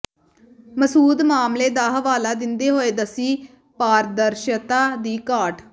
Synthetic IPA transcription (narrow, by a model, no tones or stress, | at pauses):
məsuːd̪maːmleːd̪aːɦəʋaːlaːd̪ɪnd̪eːɦoːeːd̪əsiː | paːɾd̪əɾʃət̪aːd̪iːkaːʈʰ